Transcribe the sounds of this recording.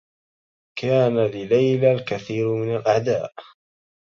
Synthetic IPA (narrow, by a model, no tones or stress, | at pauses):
kaːnalɪlajlalkaθiːɾmɪnalʔaʕd̪aːʔ